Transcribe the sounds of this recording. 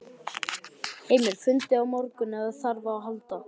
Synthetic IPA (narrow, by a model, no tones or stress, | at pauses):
heːjmɪɾ̥fʏnt̪ɪawmɔɾkʏnɛɣðaðθaɾvaːwɦalt̪a